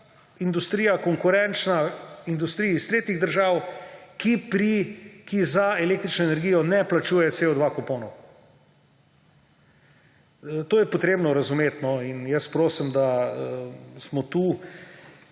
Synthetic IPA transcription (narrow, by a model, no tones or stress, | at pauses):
ind̪ust̪ɾiːjakɔŋkʊɾɛnt͡ʃnaind̪ust̪ɾijist̪ɾeːt̪iɣd̪əɾʒaːwkipɾikizaɛleːk̚t̪ɾit͡ʃnɔenɛɾɡiːjɔnɛplat͡ʃuːjɛseɔd̪ʋakopoːnɔw | t̪oːjɛpɔt̪ɾeːbnɔɾɐzumeːt̪nɔinjɛspɾoːsimd̪aəsmɔt̪uː